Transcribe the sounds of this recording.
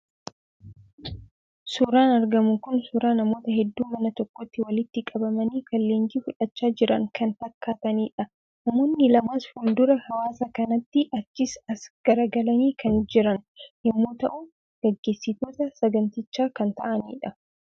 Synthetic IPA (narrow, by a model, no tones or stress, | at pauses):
suːɾaːnɐɾɡɐmʊŋkʊnsuːɾaːnɐmo̞ːt̪ɐɦɛd̪ːuːmɐnɐt̪ɔkːɔt̪ːɪwɐlɪt̪ːɪkʼɐbɐmɐniːkɐlːeːŋɡiːfʊᶑɐt͡ʃːaːd͡ʒɪɾɐ̰ŋkʰɐnt̪ɐkːaːt̪ɐniːᶑɐ | nɐmo̞ːnːɪlɐmaːshʊnd̪ʊɾɐhɐwaːsɐkɐnɐt̪ːɪʔɐt͡ʃːɪsɐsɡ̥ɐɾɐɡɐlɐniːkʰɐnd͡ʒɪɾɐnjɛmːo̞ːt̪ɐʔʊ | ɡ̥ɛɡːe̞ːsːɪt̪o̞ːt̪ɐsɐɡɐnt̪ɪt͡ʃːaːkɐnt̪ɐ̰ʔɐnḭːᶑɐ